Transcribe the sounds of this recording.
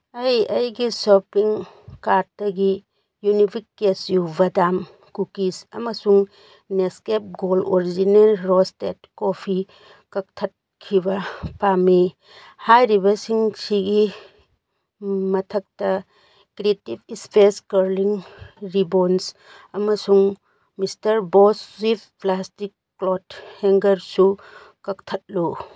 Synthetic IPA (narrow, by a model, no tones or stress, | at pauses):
ɐjɐjɡisopɾiŋ | kaɾ̚dɐɡi | junipʰikːesjubɐdam | kukisɐmɐsuŋ | neskep̚ɡoloɾid͡ʒinelɾostet̚kopʰi | kɐk̚tʰɐt̚ | kʰːibɐpami | hajɾibɐsiŋsiɡi | mɐtʰɐk̚tɐ | kɾietibispʰeskɐɾliŋɾibons | ɐmɐsuŋ | mistɐɾbosip̚plastikːlotheŋɡɐɾsu | kɐk̚tʰɐt̚lu